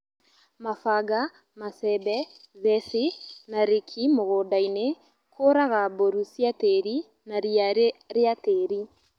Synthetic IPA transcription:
mafaɡa | masɛbɛ | ðɛsenaɾekʰimoɣoːdaine | kʰoɾaɣaboɾusjateɾi | naɾiaɾeɾeateɾi

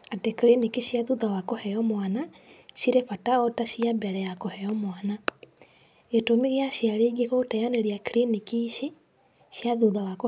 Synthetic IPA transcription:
atekɾinikiɕjaðuðawakohɛɔmwanaʃiɾefataɔtaʃiabɛɾɛjakohɛjɔmwana | ɣetomeɣeaʃjaɾeɡekotajaneɾjakiɾinikiʃe | ɕjaðuðawako

